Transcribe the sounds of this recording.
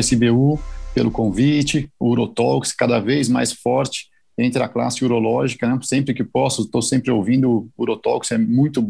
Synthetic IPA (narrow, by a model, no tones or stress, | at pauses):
sɪbeupelʊkõvit͡ʃɪuɾot̪ɔwkskad̪ɐvejzma̰jsfɔɾt͡ʃɪ̥ | ẽnt̪ɾɪɐkla̰sɪuɾolɔʒikɐnɛsẽmpɾɪkɪpɔsʊt̪owsẽmpɾɪowvĩnd̪ʊuɾot̪ɔwksɛmũj̃t̪ʊb